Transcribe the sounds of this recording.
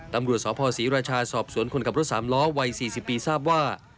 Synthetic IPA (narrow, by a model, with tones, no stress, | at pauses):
t̪a˧mɾu˨˩ət̪̚sɔː˩˦˥pʰɔː˧siː˩˦ɾaː˧t͡ɕʰaː˧sɔː˨˩p̚su˩˦ənkʰo˧nkʰa˨˩p̚ɾo˦˥t̪̚saː˩˦mlɔː˦˥wa˧jsiː˨˩si˨˩pːiː˧saː˥˩p̚waː˥˩